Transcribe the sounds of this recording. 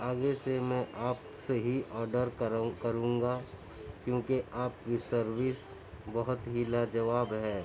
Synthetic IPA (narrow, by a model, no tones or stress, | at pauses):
aːɡesemɛ̃ʔaːp | seɦiʔɔːɾɖəɾkɐɾũːŋɡa | kjõːkeʔaːp̚kisəɾʋɪs | bɐɦʊt̪ɦilad͡ʒɐʋaːbɦɛː